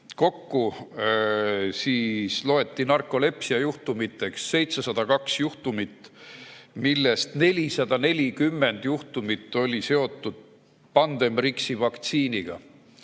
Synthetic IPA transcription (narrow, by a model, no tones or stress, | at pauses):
ko̞kːu | siːslo̞e̞t̪ːinɑrkːˑo̞le̞psiɑjuht̪umit̪ːˑe̞ksːe̞jt̪sesɑd̪̥ɑkɑksjuht̪umit̪ːˑ | milːe̞st̪ne̞lʲisɑd̪̥ɑne̞lʲikymːe̞nd̪̥juht̪umit̪ːˑo̞lʲise̞o̞t̪ːˑud̪̥̚ | pɑnd̪̥e̞mriksivɑkt̪siːniɡ̥ɑ̰